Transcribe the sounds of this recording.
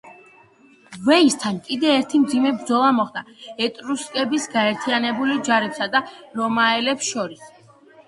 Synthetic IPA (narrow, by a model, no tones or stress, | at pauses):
vɛist̪ʰankʼid̪ɛːɾt̪ʰimd̪zimɛbɾd̪zɔlˠamɔχd̪aɛt̪ʼɾuskʼɛbisɡaɛɾt̪ʰianɛbulid͡ʒaɾɛpsad̪aɾɔmaɛlɛpsʃɔɾis